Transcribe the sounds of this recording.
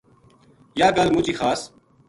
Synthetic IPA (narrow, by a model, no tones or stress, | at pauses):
jaːɡɐlmut͡ʃixaːs